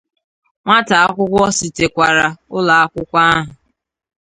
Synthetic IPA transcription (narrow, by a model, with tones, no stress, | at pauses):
ŋʷa˦ta˨a˦kʷʊ˦kʷɔ˦si˨te˨kʷa˨ɾa˨ʊ˦la˨a˦kʷʊ˦kʷa˦a˦ɦʊ˨